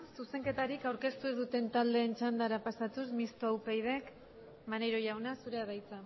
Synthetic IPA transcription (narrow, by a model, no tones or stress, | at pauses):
suse̞ŋke̞t̪aɾikawɾke̞st̪uezðut̪e̞nt̪ald̪e̞ːnt͡ʃand̪aɾapasat̪usmist̪oawpejð̞e̞k | manejɾo̞ʝawnasuɾe̞aðajt͡sa